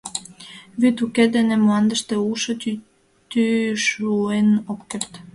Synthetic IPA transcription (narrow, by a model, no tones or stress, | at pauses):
βyt̪uked̪enemoɑnd̪əʃt̪euʃot̪y | t̪yʃuenopkert̪